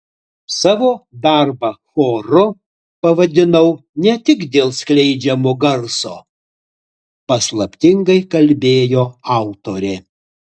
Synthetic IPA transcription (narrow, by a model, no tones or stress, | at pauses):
sɑːʋoːd̪ɑˑɾbɐxoːɾʊ | pɐʋɐd̪ʲɪnɐʊnʲɛt̪ʲɪkd̪ʲeːlˠsʲklʲɛɪd͡ʒʲɛmoːɡɐɾsoː | pɐslˠɐpʲt̪ʲɪŋɡɐɪkɐlʲbʲeːjoːɑˑʊt̪oːɾʲeː